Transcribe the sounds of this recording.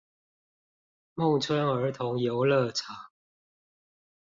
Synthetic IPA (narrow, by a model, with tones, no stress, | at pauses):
mʊ˥˨ŋt͡sʰwə˦˥nə˞˨˥t̪ʰʊ˨˦ŋjo˨˥ʊlə˥˨t͡sʰa˨˥˦